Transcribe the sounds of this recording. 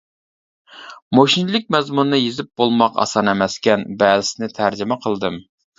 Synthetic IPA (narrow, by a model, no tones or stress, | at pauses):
moʃinlˠɪk̚ʲmɛzmunːɨjezɪp̚bolˠmɑqɑ̰sɑnemɛskʲɛnbɛlɪsɪnɪt̪ʰæɾd͡ʒɪmɛqʰəlˠd̪ɨm